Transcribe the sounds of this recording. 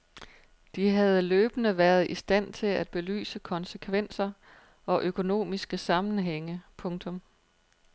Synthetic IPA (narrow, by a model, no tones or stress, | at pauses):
d̥iɦæð̞̩ˠløːb̥ənəʋæɐð̞ˠisd̥æn̰t͡sʰe̝læd̥̚b̥e̝ly̰ːsəkʰɒ̽nsəkʰʋen̰sɐ | ɒ̽ʔøkʰo̝no̝̰ːmisɡ̥əsɑ̈mn̩ɦeŋəpʰɔ̽ŋt͡sʰɔ̽m